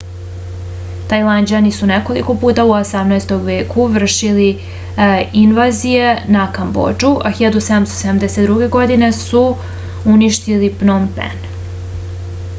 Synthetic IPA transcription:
t̪ajlˠand͡ʑanisuneko̞lḭko̞puːt̪auosamnaest̪oɡʋeːkuʋr̩ʃili | inʋazije̞nakambo̰d͡ʒuʔaxiʎad̪used̪amst̪ose̞d̪amd̪eset̪d̪ɾuɡe̞ɡo̞d̪ine̞su | uniʃt̪ilipnompḛn

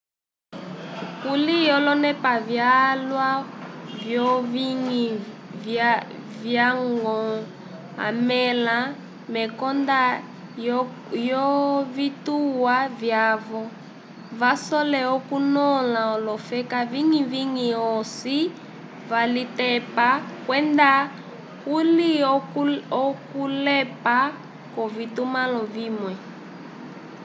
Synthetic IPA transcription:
kulijɔlɔnɛpavjalwavjɔviŋi | vjaŋɡɔ | a̰mɛla | mɛkɔnda | jɔvituwavjavɔ | vasɔlɛɔkunɔlaɔlɔfɛkaviŋiviŋiɔsi | valitɛpakwɛnda | kuli | ɔkulɛpa | kɔvitumalɔvimwɛ

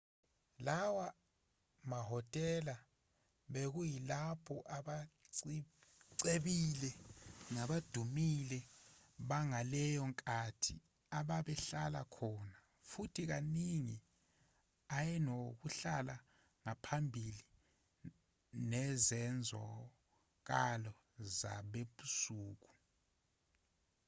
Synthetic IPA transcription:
lawa | maɦɔtʼɛla | ɓek̬ujilapʰɔʔaɓaǀ | ǀeɓilɛŋaɓad̥ʱumilɛɓaŋalɛjɔŋkʼatʰi | aɓaɓɛɬalakʰɔna | futʰik̬aniŋi | ajɛnok̬uɬala | ŋapʰambʱili | nɛzɛnd͡zʱɔ̰ | k̬alɔ | za̰ɓeɓusuːk̬u̥

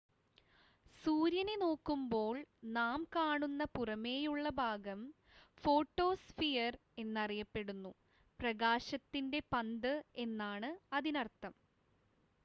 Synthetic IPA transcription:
suːɾjɐneno̞ːkːumbo̞ːɭnaːmkaːɳunːɐpurɐme̞ːjuɭːɐbʱaːɡɐm | fo̞ːʈːo̞ːsfijɐre̞nːɐrijɐpːe̞ɽunːu | prɐɡaːɕɐt̪ːinde̞pɐnd̪ɨe̞nːaːɳɨɐðinɐrt̪ːɐm

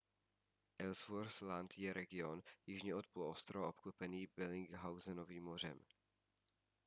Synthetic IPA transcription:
ʔɛlsvoɾslant̪jɛɾʔɛɡɪo̞njɪʒɲɛot̪̚ploost̪ɾoaopklupɛniːbɛlɪŋɡɦawzɛnoviːmːor̝ɛ̰m

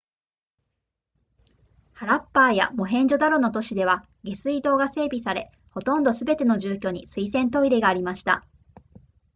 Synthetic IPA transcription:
haɾapːaːja̰mo̞ɦẽ̞ɲ̟d͡ʑo̞d̪aɾo̞no̞t̪o̞ɕid̪e̞β̞a | ɡe̞sɨid̪o̞ːɡase̞ːbʲisaɾe̞̰ | ho̞t̪õ̞nd̪o̞sɨbe̞t̪e̞no̞ʑɨːkʲo̞ːɲ̟isɨisẽ̞nt̪o̞iɾeɡaːɾʲimaɕi̥t̪a̰

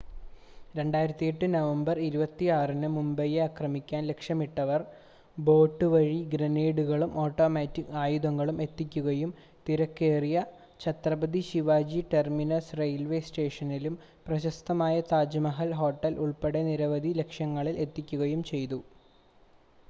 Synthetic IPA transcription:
ɾe̞ɳɖaːjiɾɐt̪ːijeʈːɨnɐʋɐmbɐriɾubɐt̪ːiaːrinɨmumbɐjeakrɐmikʲːaːnle̞kʂjɐmiʈːɐʋɐr | bo̞ːʈːɨʋɐɻiɡɾɐneːɽuɣɐɭumoːʈːo̞ːmeːtːikaːjud̪ɐŋːɐɭume̞t̪ːikʲːuɣɐjum | t̪iɾɐkːe̞ːrijɐ | t͡ɕʰɐt̪rɐbɐd̪iɕiʋaːd͡ʑiʈerminɐsrejlʋe̞ːsʈe̞ːʂɐnilum | prɐɕɐst̪ɐmaːjɐt̪aːd͡ʑɐmɐɦɐlɦo̞ːʈːɐlʔuɭpeɽeniɾɐʋɐd̪ʱile̞kʂjɐŋːɐɭile̞t̪ːikʲːuɣɐjumt͡ɕe̞jt̪u

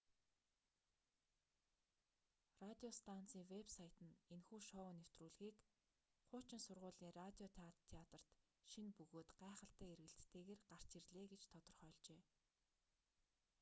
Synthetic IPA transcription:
rat̪ʲiɔst̪ʰan̥t͡siːŋwepsajʰt̪ɘ̆nenxuːʃɔnew̥t̪ruːɮɣiːk | χʊːt͡ɕɪ̆nsʊrʁʊːɮiːŋrat̪ʲiɔt̪ʰat̪ʰːeat̪ə̆r̥t̪ | ʃinpɵɣoːt̪ɢæːχə̆ɬt̪æːerɣɘ̆ɬt̪t̪ʰeːɣeːrɢar̥t͡ɕerɮeːɡet͡ɕt̪ʰɔt̪ɞ̆rχœːɮt͡ɕeː

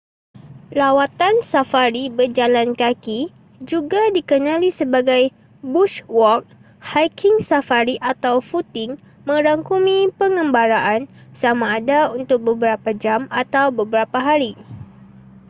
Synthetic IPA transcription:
lawat̪ansafaɾibərd͡ʒalankaki | d͡ʒuɡadikənãlisəbaɡaj | buʃwɔk̚ | hajkɪŋsafaɾiʔat̪awfut̪ɪŋ | mə̃ɾaŋkumĩpəŋə̃mbaɾaʔansamãːdaunt̪ʊk̚bəbəɾapad͡ʒamat̪awbəbəɾapaɦaɾi

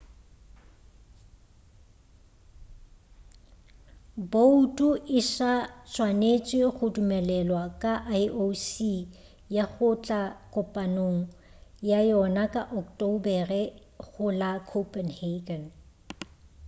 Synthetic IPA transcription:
boutʼuʔɪʃat͡ʃʼwanet͡sʼɪɣʊdumɛlɛlwakʼaʔajʔosi | jaɣʊt͡ɬʼakʼʊpʼanoŋ̩ | jajɔnakʼaʔɔktʼobɛrɛ | ɣʊlakʰopʼɛnheɡɛn

